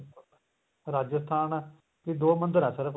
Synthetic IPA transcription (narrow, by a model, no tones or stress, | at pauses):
ɾaːd͡ʒəst̪ʰaːn | kid̪oːmə̃nd̪əɾɛ̃ːsəɾəpʰ